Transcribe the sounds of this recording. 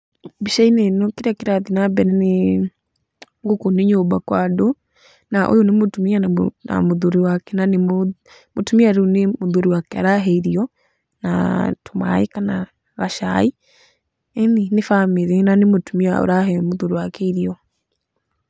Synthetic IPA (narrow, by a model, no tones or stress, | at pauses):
biʃainenokeɾakeɾaðinabɛɾɛne | ŋɡokoneɲobakwado | naʔo̰jonemotumianana̰moðoɾiwakɛnanemo | motumiaɾunemoðoɾiwakɛa̰ɾaɦɛiɾiɔ | na̰toma̰ḛkana | ɣaʃa̰i | eninefameðenanemotumiao̰ɾaɦɛmoðoɾiwakɛiɾiɔ